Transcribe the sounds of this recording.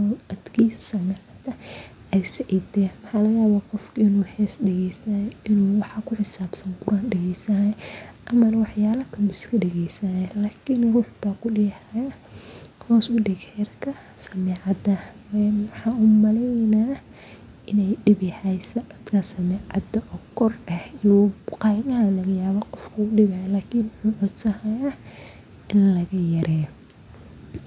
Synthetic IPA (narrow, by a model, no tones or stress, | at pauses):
ɔlɐd̪kʰiːsɐ̥sɐmɛːʕɑd̪ɐ | ɛjsɐʕid̪ɛːnwɑħɑːlɐjaːβaːqɔfkʰɐɪnuːhɛːsɖɛɣɛjsɐjʔɪnuːwɑħɑkʰʊħɪsaːbsɐŋɡʊɾaːnɖɛɣɛjsɐʔɐmɐnɐwɑħjaːlɐkʰɐmbʊɪskʰɐɖɛɣɛjsɐɛlaːkʰɪnruːħbaːkʰʊɗɪjhajɐ | hɔːsʊɖɛɡhɛːrkʰɐ | sɐmɛːʕɑd̪ɐwɛwɑħɑːuːmɐlɛnaː | ɪnɛjɖɪβɪhajsɐdɐd̪kʰɐsɐmɛːʕɑ̰d̪ɐʔɔːkʰɔrɛhɪnuqɑːɣɐɦɐlɐɣɐjaːβɔqɔfkʰʊʊɖɪβɐjɐlaːkʰɪnwʊħuːʕɔd̪sɐhɐja | ɪnlɐɣɐjɐɾʔɛːjɔ